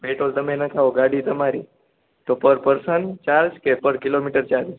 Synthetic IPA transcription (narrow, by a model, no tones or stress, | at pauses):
beʈolt̪əmẽnakʰaoɡaɽiːt̪əmaɾiː | t̪opəɾpəɾsənt͡ɕaɾskepəɾkilomiʈəɾt͡ɕaɾi